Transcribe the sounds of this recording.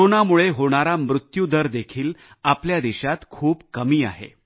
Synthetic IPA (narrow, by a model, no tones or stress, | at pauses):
oɳamuɭeɦoɽ̃aɾamɾut̪jud̪əɾd̪ekʰiːl | apljad̪iɕat̪kʰuːpkəmiːa̰ɦḛ